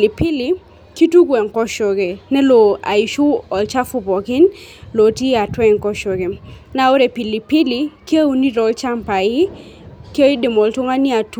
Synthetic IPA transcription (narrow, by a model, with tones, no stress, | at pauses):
li˨pɪ˦li˨ | ki˦tu˦ɡwɛ˨ŋkɔ˦ʃɔ˨ɡe˨nɛ˦lo˨a̰˨i˨ʃʊ˦ɔ˨lt͡ʃa˦fʊ˦bɔ˨kɪ˦nlo˨ti˦a˨twɛ˦ŋkɔ˦ʃɔ˨ɡe˨na˨o˦ɾe˨pi˨li˨pi˦li˨ke˦u˦ni˦ɾɔ˨lt͡ʃa˦mpa˨ɪ˦ | ke˦i˦de˨mɔ˨ltʊ˦ŋa˦nɪ˦a˨t